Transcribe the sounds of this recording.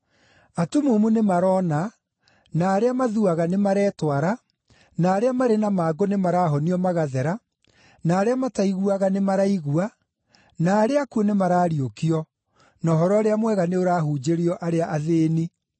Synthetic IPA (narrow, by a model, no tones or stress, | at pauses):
atumumunemaɾɔːna | naːɾeamaðuaɣanemaɾɛːtwaɾa | naːɾeamaɾenamaːɡonemaɾaːɦɔniɔmaɣaðɛɾa | naːɾeamataiɣuaɣanemaɾaiɣua | naːɾeakuonemaɾaːɾiokiɔ | nɔɦɔɾɔaɾeamwɛɣaneoɾaːɦud͡ʑeɾiɔʔaɾeaʔaðeːni